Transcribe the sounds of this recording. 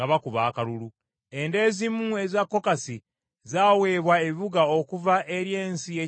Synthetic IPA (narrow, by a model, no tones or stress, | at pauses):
aβakuβaːkalulu | e̞nde̞ːzimue̞zakːo̞kasi | zaːwe̞ːβwae̞βiβuɡaokuvaʔeɾje̞ːnsije